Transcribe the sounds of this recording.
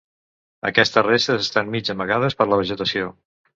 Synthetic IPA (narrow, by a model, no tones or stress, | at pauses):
ə̰kɛst̪ərest̪əzəst̪anmid͡ʒəməɣað̞əspəɾləβ̞əʒət̪əsio